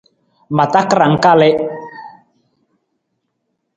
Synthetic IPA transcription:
ma˨ta˦kɾa˨ŋ̩˦ka˦lɛ˦

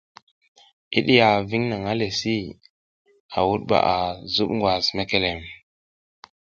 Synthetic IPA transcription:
ḭ˦ɗi˦ja˨vi˦ŋna˨ŋa˦le˨si˦ | a̰˨wu˦t̚ɓa̰˨ʔa˨zu˦pŋɡwa˨sme˦ke˦le˨m

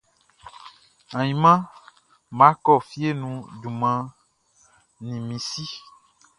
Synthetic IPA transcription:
ã˨ĩ˨mã˦ | mã˨˦kɔ˦˨fi˦e˦nũ˦du˨mã˨ | nĩ˨mĩ˨si˦

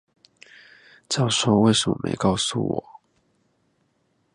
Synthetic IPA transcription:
t͡ɕɑ˥˩ʊʂo˥ʊwe˥˩ɪsə˨mə̰˨mʔḛ˧˥ɪkɑ˥˧ʊsṵ˥˩wɔ̰˨˩˦

